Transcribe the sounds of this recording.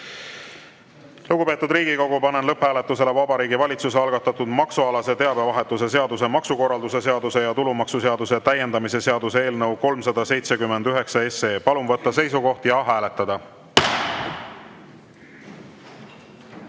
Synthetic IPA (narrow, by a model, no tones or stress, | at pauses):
luɡ̥upe̞ːt̪ːud̪ɾiːɡ̥iko̞ɡ̥upɑnenlɤphæːle̞t̪ːˑuse̞le̞vɑbɑɾiːɡivɑlʲit̪suseɑlɡ̥ɑt̪ˑːɑt̪ːˑud̪mɑksuɑlɑse̞t̪e̞ɑb̥e̞vɑɦe̞t̪ːˑuse̞se̞ɑd̪use̞mɑksuko̞rːɑld̪̥use̞se̞ɑd̪use̞jɑt̪ulumɑksuse̞ɑd̪use̞t̪æje̞nd̪ɑmise̞se̞ɑd̪usee̞ːlnɤwko̞lmsɑd̪ɑse̞jt̪se̞kymːe̞nd̪yɦe̞ksɑe̞se̞ːpɑlumvɤt̪ːˑɑse̞jsuko̞ht̪jɑɦæːle̞t̪ːˑɑd̪̥ɑ